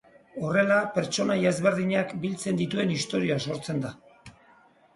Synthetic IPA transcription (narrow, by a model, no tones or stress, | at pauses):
o̞re̞lape̞ɾt͡ʃo̞najaezβe̞ɾðiɲakbilt͡se̞nd̪it̪ue̞nist̪o̞ɾioaso̞ɾt͡se̞nd̪a